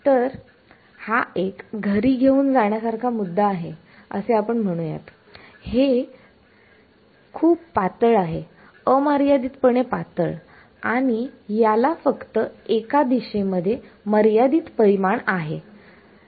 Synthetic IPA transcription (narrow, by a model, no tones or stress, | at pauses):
t̪əɾ | haʔekɡʱəɾiːɡʱeuːnd͡zaɳ̃jasaɾkʰamud̪ːaːɦe | ə̰seapəɳm̤əɽ̃ũja̰t̪ | he | kʰuːbpat̪əɭaɦe | əməɾjad̪iːt̪̚pəɳepat̪əɭ | aɽ̃ijalafəkt̪əekad̪iɕeməd̪ʱje | məɾjad̪iːt̪pəɾimaɳaɦe